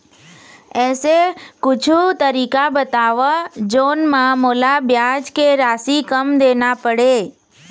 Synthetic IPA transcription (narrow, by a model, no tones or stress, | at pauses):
esekʊt͡ʃʰut̪əɾikabət̪aʋad͡ʒonmãmolabjãd͡ʒkeɾasikəmd̪enapəɽe